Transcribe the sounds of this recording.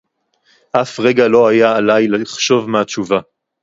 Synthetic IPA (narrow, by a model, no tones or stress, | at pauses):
ʔafʁe̞ɡalo̞ajaːlajleiχʃo̞vmeat͡ʃuva